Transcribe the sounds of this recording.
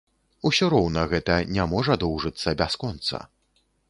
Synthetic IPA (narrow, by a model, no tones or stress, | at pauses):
usʲɔɾɔwnɐɣɛt̪ɐnʲamɔʐɐd̪ɔwʐɨt̪sːɐbʲaskɔnt̪sɐ̰